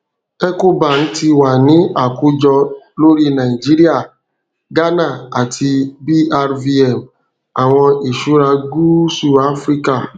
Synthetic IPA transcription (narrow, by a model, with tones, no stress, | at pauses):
ɛ˦ko˦ba˨n̩˦ti˧wa˨nĩ˨˦a˦˨ku˨˦d͡ʒɔ˧ | lo˦ɾi˦nã˨i˨d͡ʒi˦ɾi˦a˦˨ | ɡa˦na˦˨a˨tʰi˧bi˦a˧ɾvi˦ɛ˨m | a˨w̃ɔ̃˧i˨ʃu˨˦ɾa˧ɡu˦su˦˨a˦fɾi˦ka˦˨